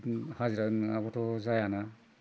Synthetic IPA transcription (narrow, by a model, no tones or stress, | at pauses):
haziɾanabɔtɔzajana